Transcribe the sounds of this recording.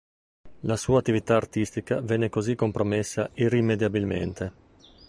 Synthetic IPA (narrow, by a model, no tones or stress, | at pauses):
lasuːat̪ːivit̪aːrt̪ist̪ikavɛnːekozikːompɾomesːairːimed̪jabilmḛnt̪ʰe